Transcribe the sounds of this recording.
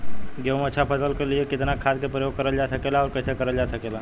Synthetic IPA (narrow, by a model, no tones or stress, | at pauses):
ɡeʋmət͡ʃʰapʰəsəlkeliekɪt̪nakʰad̪kepɾəjoɡ̚kəɾəld͡ʒasəkelaɔːɾkəɪsekəɾəld͡ʒasəkela